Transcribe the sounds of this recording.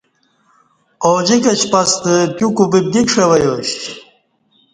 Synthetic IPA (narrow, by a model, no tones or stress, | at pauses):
oːd͡ʑikɐt͡ɕpɐst̪ək̪jukubib̚d̪ikʂewɐjoɕ